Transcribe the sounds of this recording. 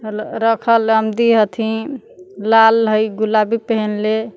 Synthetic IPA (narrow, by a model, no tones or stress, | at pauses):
ɾəkʰələmd̪iɦət̪ʰĩ | lalɦəjɡulabipəɦənle